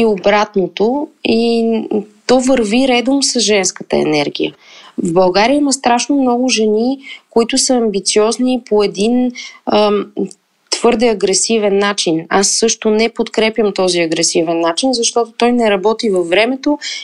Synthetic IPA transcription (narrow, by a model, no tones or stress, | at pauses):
iobɾat̪not̪oi | t̪ɔvəɾviɾɛd̪omsəsʒɛnskət̪ə̰ɛ̰nɛɾɡʲḭjə̰ | vbɐlˠɡaɾijəiməst̪ɾaʃnomnɔɡʊʒɛnikoit̪ʊsəɐmbit̪siɔznipoɛd̪inə | t̪v̥ɤɾd̪ɛɐɡɾɛsivɛnːat͡ʃinasːɤʃt̪ʊnɛpot̪kɾɛpʲjəmt̪ɔziɐɡɾɛsivɛnːat͡ʃinzɐʃt̪ɔt̪ʊt̪ɔjnɛɾɐbɔt̪ivəfːɾɛmɛt̪o